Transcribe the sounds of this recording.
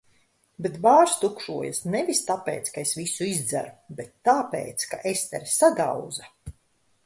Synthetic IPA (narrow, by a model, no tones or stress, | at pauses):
bet̪baːɾst̪ukʃuɔjasnevʲist̪apḛːt̪skaesvisuizd̪zæ̰ɾubet̪ːaːpḛːt̪skaʔest̪ɛɾsad̪a̰wd̪za